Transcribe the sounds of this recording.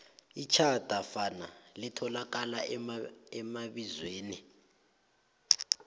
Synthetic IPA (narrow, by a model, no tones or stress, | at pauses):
it͡ʃʰad̥ʼʱafanalitʰɔlak̬ala | ɛmaɓizweːni